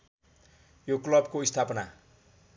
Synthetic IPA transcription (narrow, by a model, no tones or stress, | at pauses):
joklʌb̚koist̪ʰapʌna